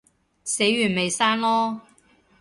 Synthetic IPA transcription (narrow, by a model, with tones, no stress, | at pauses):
se˨˥jɥyː˨˩nme˨jsaː˥nlɔː˥